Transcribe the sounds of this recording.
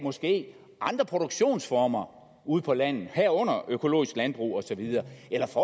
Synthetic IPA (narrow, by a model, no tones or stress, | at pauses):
mɒ̽sɡ̥e̝̰ː | ʔɑ̈nd̥ʁɐpʰʁo̝ɾ̥oɡ̥ɕo̝̰ːnsfɒːmɐ | uð̞̰ˠpʰɒ̽læn̰ð̩ˠhæɐ̰ɔ̽n̰ɐøkʰo̝lo̝̰ːisɡ̥lænb̥ʁṵːɒ̽sɒ̽ʋiðˠɐːelɐfɒ